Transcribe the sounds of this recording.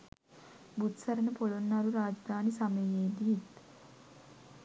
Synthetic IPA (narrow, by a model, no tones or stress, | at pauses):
but̪sɐɾənəpolonːaɾuɾaːd͡ʒd̪ʱaːnisaməjeːd̪iit̪